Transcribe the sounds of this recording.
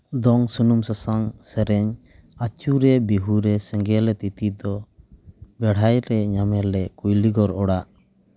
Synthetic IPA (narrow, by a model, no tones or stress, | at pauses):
d̪ɔŋsunumsasaŋsɛɾɛɲ | at͡ʃuɾɛbiɦuɾɛsɛŋɡɛlɛt̪it̪id̪ɔ | bɛɽ̤ajɾɛɲamɛlɛkujliɡɔɾɔɽaʔ